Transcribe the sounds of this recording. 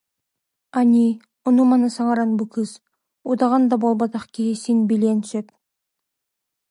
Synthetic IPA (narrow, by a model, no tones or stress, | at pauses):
anʲi | unumɑnɯsɑʁɑɾɑnbukɯz | ud̪ɑʁɑnd̪ɑbolˠbɑt̪ɑχkʲisinbilʲenʃep̚